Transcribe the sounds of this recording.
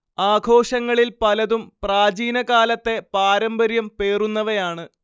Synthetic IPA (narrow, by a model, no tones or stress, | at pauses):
aːɡʰʱo̞ːʂɐŋːɐɭilpɐlɐðumpraːd͡ʑiːnɐɣaːlɐt̪ːe̞paːɾɐmbɐɾjɐmpe̞ːrunːɐʋɐjaːɳɨ